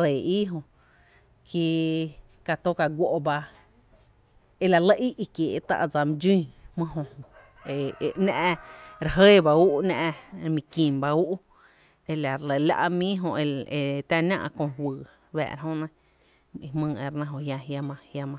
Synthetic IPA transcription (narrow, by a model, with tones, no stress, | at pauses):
ɾe˨i˦ɦõ˧ | ki˧ | ka˧t̪o˦ka˧ɡʷo˧ʔba˧ | e˧la˧˨lə˧ʔi˦ʔi˧kjeː˨ʔt̪a̰˧ʔd͡za˧mĩ˧d͡ʒĩː˦˨hmɨ̃˦ɦõ˧hõ˧˨ | e˧e˨nã˧ʔɾe˧˨ɦəː˦˨ba˧uː˦ʔnã˧ʔmĩ˧kĩ˨mba˧u˦ʔ | e˧la˨ɾlə˨la̰˦˧ʔmĩː˦ɦõ˧e˧e˧t̪ã˦˧nã̰˧ʔkõ˧hwɨː˨ | βɛ̰ː˧˨ɾa˧ɦõ˧˦nã˦ | i˧mɨ̃ː˧e˧˨ɾnã˧ɦõ˧hja˧ɦja˧mã˧hja˧mã˧